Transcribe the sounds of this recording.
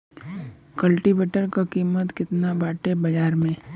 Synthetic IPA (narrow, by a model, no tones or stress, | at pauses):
kəlʈiʋeːʈəɾkakiːmət̪kɪt̪nabaːʈebɐd͡ʒaːɾmẽː